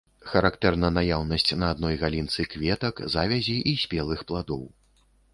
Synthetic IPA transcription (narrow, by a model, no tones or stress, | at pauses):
xɐɾakt̪ɛrnɐnajawnɐsʲt͡sʲnɐːd̪nɔjɣalʲint̪sɨkvʲɛt̪ɐkzavʲɛzʲiʔisʲpʲɛlˠɨxplˠad̪ɔw